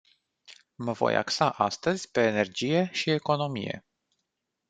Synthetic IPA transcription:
məvo̞̰ja̰ksaʔast̪əzʲpe̞ːne̞rd͡ʒije̞ʃieko̞no̞mḭje̞̰

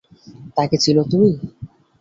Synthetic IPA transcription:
t̪aket͡ɕʰilot̪umi

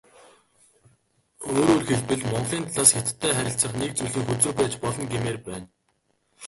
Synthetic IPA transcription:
oːɾoːrxeɮpɘ̆ɮmɔɴɢɮiːnt̪ʰaɮaːsxet̪ʰt̪ʰːæːχæɾʲɪ̆ɬt͡sə̆χnek̚t͡sujɮiːŋxut͡soːpæːt͡ɕpɔɮɞ̆ŋɡemeːrpæːn

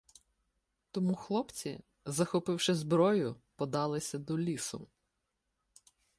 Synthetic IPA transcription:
t̪ɔmuxlˠɔpt͡sʲḭ | zɐxɔpɪwʃɪzbɾɔjʊpɔd̪ɑlˠɪsʲɐd̪ɔlʲisʊ

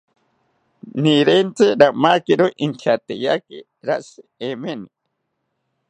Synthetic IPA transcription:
niɾent͡sɨɾamakiɾoʔint̪ʰat̪ejaki | ɾa̰ʔsɨemeni

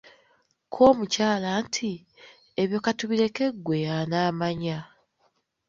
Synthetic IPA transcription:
kʰo̞ːmucaːlantʰi | eβjo̞katuβiɾe̞ke̞ɡːwe̞janaːmaɲa

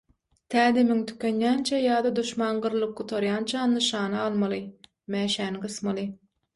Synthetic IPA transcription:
t̪ʰæːd̪emiŋt̪ʰy̥kʲenjæːnt͡ʃʰæjɑːd̪ɑd̪uʃmɑːnɢɯɾlˠɯp̚qut̪ʰɑɾjɑːnt͡ʃʰɑnːɯʃɑːnɑɑlˠmɑlˠɯ | mæːʃæːnɡɯsmɑlˠɯ

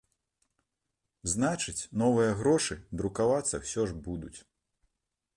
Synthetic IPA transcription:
znat͡ʂɨt͡sʲnɔvɨjɐɣɾɔʂɨd̪ɾukavat̪sːɐ̰wsʲɔʐbud̪ut͡sʲ

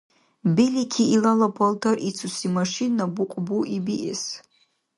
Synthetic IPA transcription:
belikʲʰiːlalapʰaltʰarit͡sʰusimaʂinabuqʷʼbuʔibiʔḛs

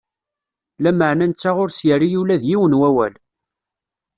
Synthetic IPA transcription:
læməʕnænt͡sːaʁʊɾsjərijulæðjiwənwæwæl

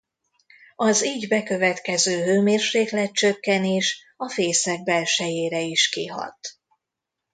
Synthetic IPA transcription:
ɒziːɟbɛkø̞vɛt̪kɛzøːɦøːmeːrʃeːklɛt̪̚t͡ʃø̞kːɛneːʃ | ɒfeːsɛɡ̚bɛlʃɛjeːɾɛiʃkiɦɒ̰t̪

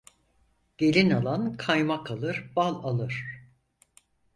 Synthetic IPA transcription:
ɟ̥e̞lʲinalˠankʰajmakʰalˠɯɾbalˠalˠɯɾ̥

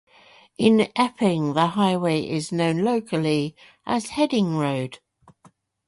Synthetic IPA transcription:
ɪ̃nɛpʰɪ̃ŋðəɦaɪweɪʔɪznə̃ʊ̃nləʊkʰəli | ʔəz̥hɛdɪ̃ŋɹəʊd̥

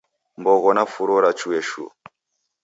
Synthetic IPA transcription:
mbɔɣɔnafuɾɔɾat͡ʃuɛʃṵ

